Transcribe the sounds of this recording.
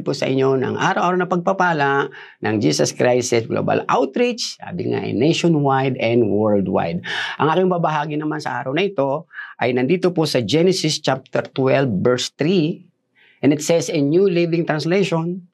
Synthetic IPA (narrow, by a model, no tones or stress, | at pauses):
pʊsɐ̰ʔɪ̰ɲːo̞nɐ̰ŋʔa̰ːɾɐwʔaːɾɐwnɐpɐɡ̚pɐpaːlɐʔ | nɐŋd͡ʒiːsɐskɹajsɪsɡlo̰bɐ̰la̰wt̪ɾɪt͡ʃa̰ːbɪ̰ŋa̰ʔɐ̰jnejʃonwajd̪ɛnd̪wɛɹld̪wa̰jd̪̚ʔɐŋʔaːkɪŋbabɐɦaːɡɪnɐmansɐ̰ʔaːɾɐwnɐʔɪt̪o̞ʔɐjnɐnd̪iːt̪oposɐd͡ʒɛnɛsɪst͡ʃap̚t̪ɛɾt̪wɛlbːɛɹst̪ɾi | ʔɛnɪt̪sɛsɛnjulivɪŋt̪ɾɐnslɛjʃon